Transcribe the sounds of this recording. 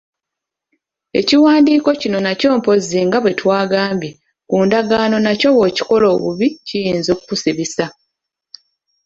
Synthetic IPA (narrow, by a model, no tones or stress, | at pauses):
e̞̰ciwaːndiːko̞cino̞naco̞ːmpo̞ziŋɡaβwe̞twaːɡaːmbje | kuːndaɡaːno̞naco̞βwoːci̥ko̞lo̞ːβuβicijiːnzo̞ːkukusiβisa